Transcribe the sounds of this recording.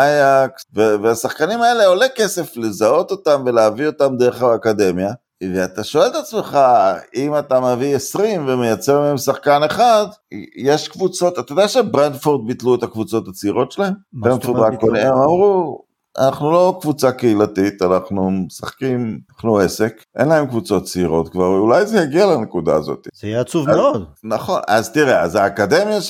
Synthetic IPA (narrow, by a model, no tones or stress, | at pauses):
ajaksveveasaχkanimae̞le̞ole̞ke̞se̞fle̞zao̞t̪o̞tamve̞leavio̞t̪amd̪eʁeχaːkad̪e̞mja | veat̪aʃoe̞lt̪at͡sme̞χaimat̪ameviesʁimvemejat͡seʁmeemsaχkane̞χad̪jeʃkvut͡so̞t̪at̪adeaʃe̞bʁendfoʁd̪̚bit̪luet̪akvut͡so̞t̪at͡siʁo̞tʃelahembʁendfod̪ʁakkonemamʁu | a̰naχnulo̞kvut͡sakeilat̪it̪anaχnumesaχkimaχnuese̞kʔḛnlae̞mkvut͡so̞tt͡siʁo̞t̪kvaʁveulajzejaɡialenekuda̰ːzo̞̰t̪i̥zijeat͡suvmeod̪naχo̞nazt̪iʁeazaːkad̪emja